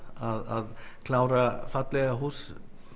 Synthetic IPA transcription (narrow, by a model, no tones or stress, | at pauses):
aða̰ðkʰlaːwɾafat̪lɛɣaɦuːs